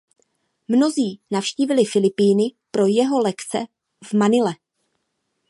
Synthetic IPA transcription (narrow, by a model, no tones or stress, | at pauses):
mno̞ziːnafʃciːvɪlɪfɪlɪpiːnɪpɾo̞jɛɦo̞lɛkt͡sɛ̰ | vmanɪlɛ